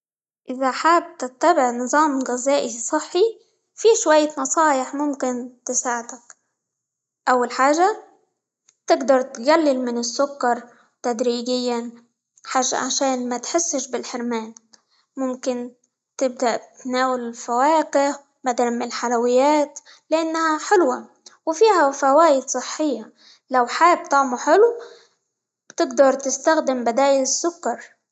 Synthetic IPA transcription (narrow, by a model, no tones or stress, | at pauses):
ʔɪzaħaːb̚t̪ɪt̪ːabɪʕnɨðˤɑːmɣɪzaːʔisˤɨħːi | fiʃwajːnɑsˤɑːjɪħmʊmkɪnt̪ɪsaːʕd̪ak | ʔawːalħaːʒa | t̪ɪɡd̪ɑɾˤt̪ɡalːɪlmɪnɪsːʊkːɑɾˤ | t̪ad̪ɾiːɡɪjːan | ħaːʒːa̰ʕaʃaːnmat̪ħɪsːɪʃbɪlħɪɾmaːn | mʊmkɪn | t̪ɪb̚d̪aʔt̪naːwɪlɪlfawaːqɪh | bad̪almɪnlħalawɪjːaːt̪ | lɪʔanːhaħɪlwa | wfiːhafawaːjɪd̪sˤɨħːɪjːa | lawħaːb̚t̪ˤɑʕmuħɪlu | b̥t̪ɪɡd̪ɑɾˤt̪ɪst̪axd̪ɪmbɪd̪aːjɪlɪsːʊkːɑɾˤ